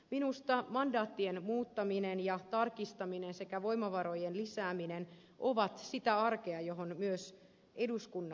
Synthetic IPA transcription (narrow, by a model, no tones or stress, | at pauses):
minust̪ɑmɑndɑːt̪ːienmuːt̪ːɑminenjɑt̪ɑrkist̪ɑminense̞kæʋo̞imɑʋɑɾojenlisæːminen | ʔoʋɑt̪sit̪æɑrkeɑjoɦonmyøs | eduskunː